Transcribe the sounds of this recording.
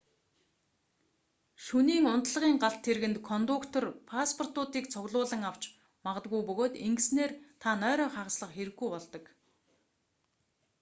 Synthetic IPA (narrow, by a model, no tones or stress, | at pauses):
ʃuniːŋʊnt̪ɮə̆ʁiːŋɢaɬt̪ʰːeɾɣɘ̆nt̪kʰɔnt̪ʊkt̪ʰɔrpʰaspʰɔr̥t̪ʊːt̪iːkt͡sʰʊɣɮʊːɮə̆ŋaw̥t͡ɕ | maʁə̆t̪ɡujpɵɣoːt̪eŋɡɘ̆sneːrt̪ʰanœːɾœːɴχaʁ̆sɮə̆χxeɾɘ̆ɣːujpɔɮt̪ɞ̆k